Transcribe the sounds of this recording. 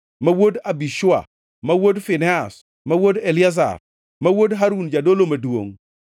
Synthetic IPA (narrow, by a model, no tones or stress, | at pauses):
mawodabiʃʊa̰ | mawodfɪnɛas | mawodelɪaza̰r | mawodɦaɾund͡ʒadolomɐdwo̰ŋ